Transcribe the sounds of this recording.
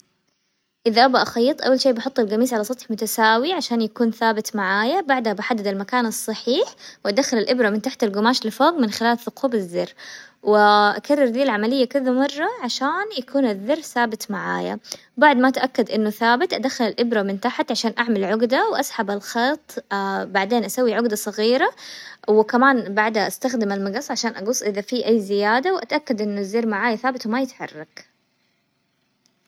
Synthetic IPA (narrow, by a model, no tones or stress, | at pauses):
ʔɪðaʔabaʔaxɑjːt̪ˤʔawːalʃeːbɑħʊt̪ˤːɑlɡamiːsʕalɑsˤɑt̪ħmʊt̪asaːwiʕaʃaːnjakuːnθaːbɪt̪maʕaːjabaʕd̪habɪħad̪ːad̪almakaːnɑsˤːɑħiːħwʔad̪axːalalʔɪbɾamɪnt̪aħt̪alɡʊmaːʃlɪfoːɣmɪnxɪlaːlθʊquːbɪzːɪrːwɪʔa̰karˤːɑɾd̪iːlʕamalɪjːakɪðamɑrˤːɑʕaʃaːnjakuːnɪðːɑrθaːbɪt̪maʕa̰ːja̰ | baʕd̪maʔat̪ʔakːad̪ʔɪnːʊθaːbɪt̪ʔad̪axːalalʔɪbɾamɪnt̪aħat̪ʕaʃaːnʔaʕmalʕʊɡd̪awʔasˤħabalxɑːt̪ˤbaʕd̪eːnʔasawːiʕʊɡd̪asˤɑɣiːɾawɪkamaːnbaʕd̪aʔast̪axd̪ɪmalmɑɡɑsˤːʕaʃaːnʔaɡʊsˤːʔɪðafiʔajːzɪjaːd̪awʔat̪ʔakːad̪ʔɪnːʊðːɪrmaʕaːjaθaːbɪt̪wmajɪt̪ħɑ̰rˤːɑɡ